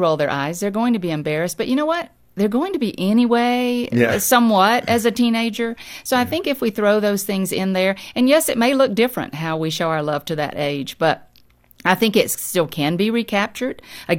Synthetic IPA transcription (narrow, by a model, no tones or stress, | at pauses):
ʊlˠðə̰˞ʔa̰ɪzðə˞ɡoʊɪ̃ŋtʰɨbiɨ̃mbɛɹɨst̚b̥ʌʔjʔɨñoʊwʌt̪̚ | ðə˞ɡoʊɪ̃ŋtʰɨbiʔɛniweɪsʌ̃mwʌɾɨzɨtʰĩneɪd͡ʒə˞soʊaɪθɪ̃ŋkɨfwiθɹoʊðoʊz̥θɪ̃ŋzɪ̃nðə˞ɨ̃njɛsɨt̚meɪlʊk̚d̥ɪfɹɨ̰̃nt̚ɦaʊwiʃoʊaʊə˞lʌv̥tʰɨðɨ̰ɾʔeɪd͡ʒb̥ʌɾ̚ | aɪθɪ̃ŋkɨtsstɪlˠkʰɨ̃nbiɹikʰæp̚t͡ʃə˞ɾʔɨ